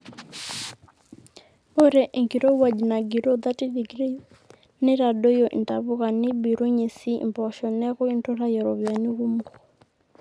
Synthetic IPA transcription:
o˦ɾe˨ʔe˨ŋki˨ɾo˦wa˨d͡ʒna˨ɡi˨ɾo˦ða˦ti˦di˨ɡɾi˦ | nɪ˦ɾa˨do˦jo˨ʔḭ˨nta˨βʊ˦ɣa˨nɪ˦bi˨ɾo˦ɲe˨sḭ˦˨mbɔ˨ʃɔ˨nɛ˦ɣo˦i˦ntɔ˦ɾa˦jɛ˨ɾɔ˨βja˨nu˦ɣu˦m˦ɡɔ˨

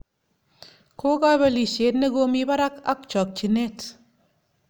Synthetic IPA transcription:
kʰo˦ɡa˦βe˦˨li˨ʃe˨˦t̚ne˦ɡo˦mi˦ba˦ɾa˦ka̰˦k̚t͡ʃɔ˨k̚t͡ʃi˨ne˦t

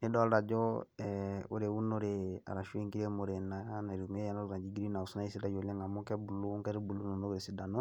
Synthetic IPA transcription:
ni˦dɔ˦a˦la˨d͡ʒɔ˦ɛo̰˨ɾe˨wu˦no˦ɾe˨a̰˨ɾa˨ʃu˦i˦ŋki˦ɾe˦mo˨ɾe˨na˨ja˦na˨ɾi˨me˦ja˦na˦lu˨ɾã˨d͡ʒi˦ɡiɾi˦na˨o˨su˦na˦i˦si˦da˨d͡ʒo˨lẽ˦ŋa˨mũ˦kɛ˦bu˨lo˦u˦ŋkɛ˦ɾi˦bu˨lu˦no˨no˦kɾe˨si˨da˨no˦

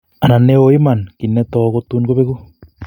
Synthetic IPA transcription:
a˨na˨ne˦oi˦ma˨nki˨nɛ˦tɔ˨ko˦tu˦nɡo˦βe˦ku˦

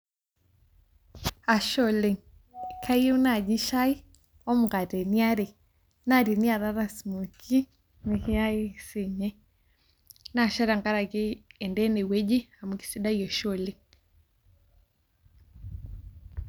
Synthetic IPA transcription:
a˨ʃɔ˦˨le˨ŋ | kʰa˦je˦u˦na˨d͡ʒi˦ʃa˦i˦ | ɔ˦mu˨ɡa˨tɛ˨ni˦a˦ɾe˨ | na˦˨ɾi˨ni˦a˨ða˦ɾa˨smu˨ki˦ | ne˨ke˦a˦e˦˨se˨ɲɛ˦ | na˦˨ʃa˦ɾa˨ŋɡa˦ɾa˨ke˦ɛ˨ndɛ˦ne˨wɛ˦d͡ʒi˦a˨mu˨ki̥˨si˦da˦jɔ˨ʃɔ˦˨le˨ŋ

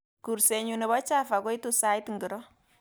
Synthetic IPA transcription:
ku˨ɾse˨ɲu˨ne˨bɔ˦t͡ʃa˦fa˨ko˦i˦tu˦sa˦jtŋɡɪ˨ɾɔ˦

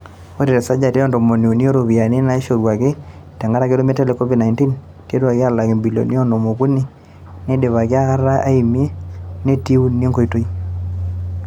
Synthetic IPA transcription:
o˦ɾe˨ɾe˨sa˦d͡ʒa˨te˦jɔ˦ndo˨mo˨ni˨o˨ni˦o˦ɾo˨βi˨a˨nɪ˦na˦e˦ʃo˨ɾwa˨kɪ˦tɛ˨ŋɡa˦ɾa˦kɪ˦ɾo˦me˦tɛ˦le˦kɔ˦vi˦dna˨inti˦n | tje˦twa˨kɪ˦a˦la˨kɪ˨mbi˨lo̰˨ni˦ɔ˦no˨mo˨ku˦ni˦ | ne˦de˨βa˨kɪ˦a˦ka˦ɾa˦ʔa˦i˨mje˦ne˦ti˦u˦ni˦e˦ŋɡo˨i˦to˦i˦

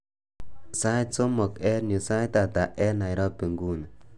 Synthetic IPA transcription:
sa˦jt͡so˦mɔ˨kɛ˦nu˨sa˦jta˨t̪a˨ʔɛ˦na˨jɾɔ˦pe˨ŋɡu˦na˨

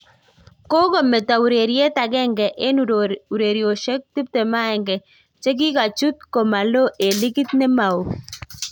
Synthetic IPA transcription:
ko˦ɡɔ˨mɛ˨ta˨u˨ɾe˨ɾje˦ta˨ɡɛ˦˨ŋɡɛ˨ʔe˦nu˨ɾe˨ɾjo˨ʃɛ˦k̚tɪ˦p̚tɛ˨ma˦ɛ˨ŋɡɛ˨ | t͡ʃɛ˦ɡ̬ɪ˦ka˨t͡ʃu˦t̪̚ko˨ma˨lo˦ʔe˨lɪ˦kɪ˦t̪nɛ˦ma˨u˨

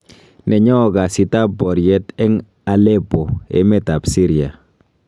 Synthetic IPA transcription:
nʔɛ˨ɲɔː˦˨ɡa˨si˨ta˦pːɔ˨ɾjɛ˨˦tɛ˦ŋ | a˨lɛ˦po˨ḛ˦mɛ˦ta˨psi˦ɾja˨

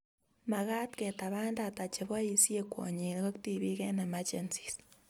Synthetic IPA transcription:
ma˨ɣa˦tke˨ta˨βaː˦nda˨ta˨t͡ʃeβwa˦jisi˦e˦kwo̰˨ɲi˨ɾɣo˦kti˦βi˦ɣe˦na˨ma˦t͡ʃe˨nt͡si̥s

